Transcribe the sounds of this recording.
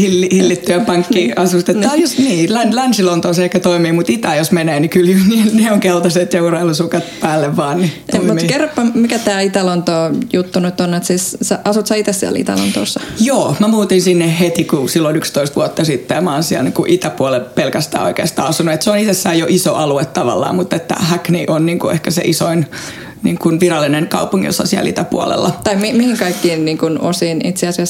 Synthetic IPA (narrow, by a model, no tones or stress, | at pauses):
hilːihilːit̪ːyæpɑŋk̪ːiɑsust̪et̪ːɑniːlænlænsilont̪oːseehkːæt̪oimiːmut̪it̪æjosmeneːnikyljynilneoŋkelt̪ɑset̪jɑurelusukɑt̪pæːlːeʋʋɑːnnit̪oimiːkerpːɑmmikæt̪æːit̪ælont̪oːjut̪ːunuyt̪ːonːet̪siːssæʔɑsut̪sɑit̪essiɛ̰lḭt̪æ̰lo̰nt̪o̰ːsːɑjoːmæmuːt̪insinːehhet̪ikusilːonykst̪oist̪ʋuɑt̪ːɑsit̪ːemɑːnsiælnikuʔit̪æpuolelpelkæst̪æ̰ːo̰ikḛːst̪ɑːɑsunuet̪seonit̪esːæːjoʔisoʔɑluet̪tɑʋɑ̰lːɑ̰ːmmut̪ːet̪ːæ̰hækniʔonniːŋkuʔehkæsḛʔisoin | niːŋkunʋirɑlːineŋkɑupuŋɡ̥ijo̰sːɑ̰siæ̰lḭt̪æpṵo̰lḛlːɑt̪ɑimimihiŋkɑikːiːnniːŋkuno̰siːnit̪seɑsiɑs